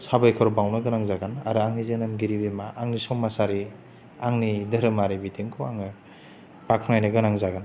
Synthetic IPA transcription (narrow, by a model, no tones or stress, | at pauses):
sabajkʰɔɾbawnɯɡɯnaŋzaɡana̰ɾɯaŋnizenɯmɡiɾibimaʔːŋnisɔŋmasaɾi | aŋnidɐɾɯmaɾibitʰiŋkʰɔaŋɯ | b̥akʰŋajnɯɡɯnaŋzaɡan